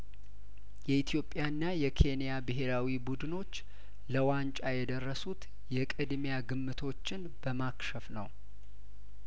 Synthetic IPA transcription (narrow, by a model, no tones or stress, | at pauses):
jɛit̪ʰjo̞pʼːjanːajɛkʰe̞nijabɨɦe̞ɾawibud̪ɨno̞t͡ʃː | ləwant͡ʃʼajɛd̪ərːəsut̪ | jɛkʼɨd̪mjaɡɨmːɨt̪ʰo̞t͡ʃːɪn | bəmakʃəfnəw